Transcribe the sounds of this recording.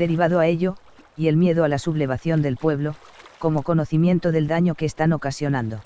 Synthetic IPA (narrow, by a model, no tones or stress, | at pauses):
de̞ɾiβaðoae̞ʎo̞ | ie̞lmje̞ðoalasuβle̞β̞aθjo̞nd̪e̞lpwe̞βlo̞ | ko̞mo̞ko̞no̞θimje̞nt̪oðe̞ld̪aɲo̞ke̞ːst̪ano̞kasjo̞nãnd̪o̞